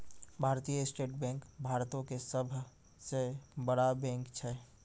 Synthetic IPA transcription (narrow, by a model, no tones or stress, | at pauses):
bʱaːɾt̪ijəɪsʈeːʈbɛ̃ːŋkbʱaːɾt̪õkesəbʱ | sebəɽabɛ̃ːŋkt͡ʃʰɛ